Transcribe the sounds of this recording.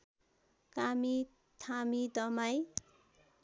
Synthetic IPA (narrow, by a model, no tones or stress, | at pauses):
kami | t̪ʰamid̪ʌmaj